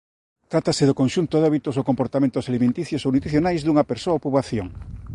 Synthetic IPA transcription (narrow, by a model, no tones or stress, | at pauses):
t̪ɾat̪asɪðʊkonʃunt̪oðɔβit̪osokompoɾt̪amẽnt̪osalimẽnt̪iθjosownut̪ɾiθjonajzðuŋɐpeɾsoɐopuβaθjo̰ŋ